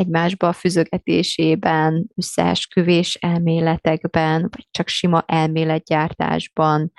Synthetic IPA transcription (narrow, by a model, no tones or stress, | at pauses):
ɛɟmaːʒbɒːfyzøɡɛt̪eːʃeːbɛnøsːɛ̰ɛ̰ʃkyveːʃɛlmeːlɛt̪ɛɡbɛnvɒc̚t͡ʃɒkʃimɒʔɛlmeːlɛt̪̚ɟaːrt̪a̰ːʒbɒn